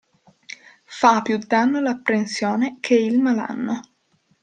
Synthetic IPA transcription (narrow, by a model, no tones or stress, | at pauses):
fapːjud̪anːolapːɾensjoːnekʰeilmala̰nːo